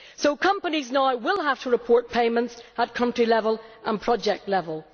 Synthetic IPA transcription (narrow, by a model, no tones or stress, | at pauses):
soʊkʰʌ̃mpəniznaʊwɪlˠɦaftʰəɹɪpʰɔɹt̚pʰeɪmə̃ntsət̚kʰʌ̃ntɹ̥ilɛvəlˠʔə̃npʰɹ̥ɔd͡ʒɛk̚tˡlɛvəlˠ